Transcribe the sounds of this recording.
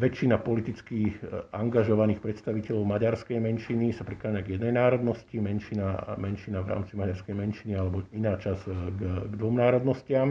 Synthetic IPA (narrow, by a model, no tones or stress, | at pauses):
ʋɛt͡ʃːinapɔlit̪it͡skiaŋɡaʒɔʋaniːxpɾɛt̪st̪aʋicɛʎɔʊmaɟaɾskɛjmɛnʃinisapɾikaːɲaɡjɛd̪nɛjnaːɾɔd̪nɔscimɛnʃinamɛnʃinaʋɾa̰ːmt͡simaɟaɾskɛjmɛnʃinialɛbɔinaːt͡ʃazɡɡd̪ʋɔmnaːɾɔd̪nɔscɪam